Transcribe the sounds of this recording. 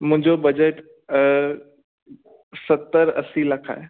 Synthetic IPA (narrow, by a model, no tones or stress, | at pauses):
mʊ̃ɪ̃ɲd͡ʑobɐd͡ʑəʈ | sɐt̪ːəɾɐsilɐkʰa̰ːɦe